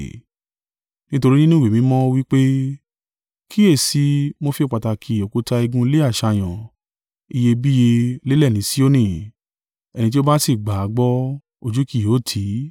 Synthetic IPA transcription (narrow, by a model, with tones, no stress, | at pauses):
nĩ˦to˧ɾi˦nĩ˦nũ˦˨e˨mĩ˨˦mɔ̃˦o˧wi˦k͡pe˦ | kʰi˦e˦˨si˨˦mo˦fi˧˦˨k͡pa˨ta˨kʰi˨o˨ku˨˦ta˧i˧ɡũ˧˦i˧le˦a˦˨ʃa˧j̃ɔ̃˨ | i˧je˧bi˦je˧le˦lɛ˦˨nĩ˨˦si˦o˦nĩ˦˨ | ɛ˨nĩ˧t̬i˦o˦ba˦si˦˨ɡ͡ba˨a˨˦ɡ͡bɔ˦ | o˧d͡ʒu˦ki˦˨jo˨˦˨tʰi˨˦